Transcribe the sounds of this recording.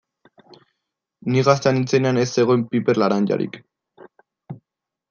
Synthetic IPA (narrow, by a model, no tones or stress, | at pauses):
niɣast̪eanit͡se̞neane̞sːe̞ɣo̞empipe̞ɾlaɾanʎa̰ɾḭk